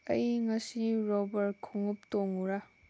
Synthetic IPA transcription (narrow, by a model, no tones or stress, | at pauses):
ɐjŋɐsiɾɔbɐɾ̚kʰuŋup̚toŋuɾa